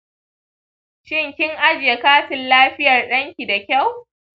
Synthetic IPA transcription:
ʃɪ˦ŋkʲɪ˦ŋʔa˦d͡ʒɪ˨je˨kaː˦ɸɪ˨nlaː˦ɸɪ˦jɐ˨rɗɐ˦ŋkʲi˨da˨kʲa˦˨w

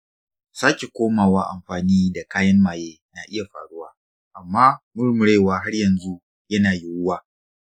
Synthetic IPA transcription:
saː˦kʲe˨kʷoː˦maː˨waː˦ʔa̰˨mɸaː˨niː˦da˨kaː˦jɐ˦mːaː˨jeː˦na˨ʔɪ˦ja˨ɸa̰ː˨ɽʊ˦waː˦ | ʔa˨mːaː˦mʊ˦ɽmʊ˨ɽeː˦˨waː˦ɦa˦ɽjɐ˨nzu˦ | jɐ˦naː˨ji˦wʊ˦waː˨

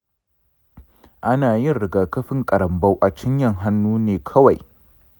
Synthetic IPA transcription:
ʔa˦naː˨jɪ˦˨nɽɪ˨ɡaː˨kɐ˦ɸɪ˦ŋkʼɐ˨ɾɐ˨mbɐ˦wʔa˨t͡ʃɪ˦ɲjɐ˦˨ŋɦa˦nːuː˦neː˨kʰɐ˦wa˨j

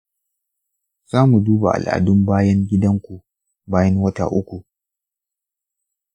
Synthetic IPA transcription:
z̥aː˦mu˨duː˦ba˨ʔa̰˨lʔa̰˨dʊ˦mbaː˦jɐ˦ŋɡʲɪ˦dɐ˦ŋkʷu˨ | baː˦jɐ˦ŋwɐ˦ta̰˨ʔʊ˦kʷu˨

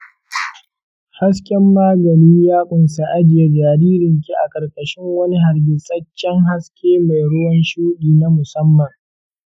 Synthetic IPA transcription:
ha˦skʲɛ˦mːaː˦ɡɐ˨niː˦jaː˦kʷʼʊ˨nsa˨ʔa˦d͡ʒɪ˨ja˦d͡ʒaː˨ɾiː˦ɾɪ˨ŋkʲi˦ʔa̰˨kʼɐ˨rkʼɐ˨ʃɪ˦ŋwɐ˦ni˦ɦa˨ɾɡʲɪ˨sɐ˦t͡ʃːɛ˦ŋɦa˦skʲeː˦ma˨jɽʊ˦jɔ˦nʃuː˦ɗiː˨na˦mʊ˨sɐ˦mːɐ˨ŋ

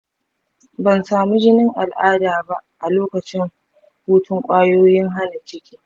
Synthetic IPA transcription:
bɐ˨nsaː˨mu˦d͡ʒɪ˦nɪ˦ŋʔa˨lʔaː˦daː˨ba˦ʔʔa˨loː˦kɐ˨t͡ʃɪ˦ŋ | huː˦tʰʊ˦ŋkʷʼaː˦joː˦jɪ˦ŋɦa˦na˨t͡ʃɪ˦kʲiː˦

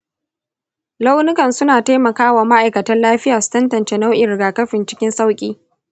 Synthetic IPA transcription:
la˦wnʊ˦kɐ˨nsʊ˦naː˨ta˦mɐ˨kaː˦waː˨ma˦ʔa˨jkɐ˨tɐ˦nlaː˦ɸɪ˦jaː˨su̥˦tɐ˦ntɐ˨nt͡ʃe˦na˦wʔɪ˨ɾɡaː˨kɐ˦ɸɪ˨nt͡ʃɪ̥˦kʲɪ˦nsa˦wkʲʼiː˦

